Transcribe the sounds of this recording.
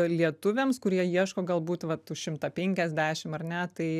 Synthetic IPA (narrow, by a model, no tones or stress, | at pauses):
lʲiɛt̪ʊʋʲeːmskʊɾʲiɛjiɛʃkoːɡɐlˠbuːt̪ʋɐt̪uʃʲɪmt̪ɐpʲɛŋʲkʲɛzʲd̪ʲæːʃʲɪmɐrnʲɛt̪ɐɪ